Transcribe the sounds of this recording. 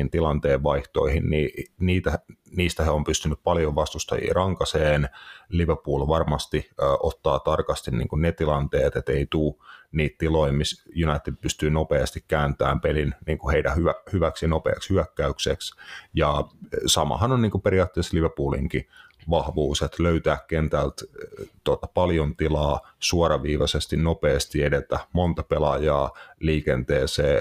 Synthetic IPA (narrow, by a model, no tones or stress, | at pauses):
int̪ilɑnt̪eːʋʋɑiht̪o̰ihinniniːt̪æniːst̪æheompyst̪ynyppɑljoʋɑst̪ust̪ɑ̰jḭːrɑŋkɑseːnliʋepuːlʋɑrmɑst̪iʔot̪ːɑːt̪ɑrkɑst̪innḭːŋkunnet̪ilɑnt̪eːt̪et̪eit̪uːniːt̪t̪iloimmisjunɑit̪id̚pyst̪yːnopeɑst̪ikkæːnt̪æ̰ːmpelinniːŋkuheidæhyʋæhyʋæksjɑnopḛːkshyækːæykseksjɑsɑmɑ̰hɑnonniːŋkupeɾiɑːt̪ːeːsliʋøpuːlḭŋki | ʋɑhʋuːset̪løyt̪æːkkent̪ælt̪t̪uot̪ɑpɑljont̪ilɑː | suoɾɑʋiːʋɑsest̪innopeːst̪iedet̪æmont̪ɑpelɑjɑːliːkent̪eːseː